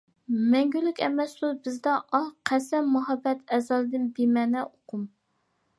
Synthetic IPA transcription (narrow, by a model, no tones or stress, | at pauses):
mɛŋɡʲylːykʲɛ̰mɛsd̪ubɪzd̪ɛʔɑqʰːæsɛmːuɦɑbːɛt̪ʰɛzɑlˠɨd̪ɨnbemɛːnɛʔoqʰʊm